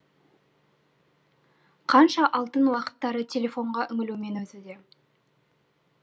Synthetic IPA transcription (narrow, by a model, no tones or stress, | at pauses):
qʰɑnʃɑʔɑlˠt̪ənwɑqə̥t̪ːɑɾət̪ʰʲe̞lʲe̞fo̞ɴʁɑʔʏŋɪlume̞nɵzɪd̪e̞